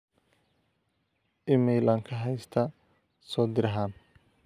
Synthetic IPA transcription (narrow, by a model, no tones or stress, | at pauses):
ʔɪmɛjlɐŋkʰɐɦɛjst̪ʰɐ | sɔːd̪ɪɾɐɦaːn